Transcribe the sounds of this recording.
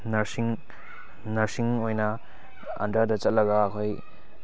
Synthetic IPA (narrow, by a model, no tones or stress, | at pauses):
nɐɾsiŋ | nɐɾsiŋojnɐ | ɐ̰ndadɐt͡ʃɐt̚lɐɡaːkʰoj